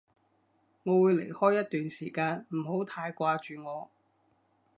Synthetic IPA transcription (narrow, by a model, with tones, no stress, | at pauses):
ŋɔː˨˧wuː˨˧jle˨˩jhɔː˥jːɐ˥t̚t̪yː˨nsiː˨˩kaː˧nm̩˨˩ɦo˨˥wt̪ʰaː˧jkʷaː˧t͡ʃyː˨ŋɔː˨˧